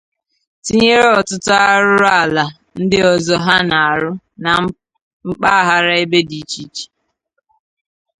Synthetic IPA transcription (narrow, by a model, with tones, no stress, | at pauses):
ti˦ɲe˦ɾe˦ɔ˨tʊ˦tʊ˦a˦ɾʊ˦ɾa˦˨la˨ | n̩˦dɪ˦ɔ˨zɔ˦ɦa˦na˨a˨ɾʊ˦ | na˨ | ŋ͡m̩˦k͡pa˦a˦˨ɦa˨ɾa˦e˦be˦di˨t͡ʃi˦t͡ʃi̥˨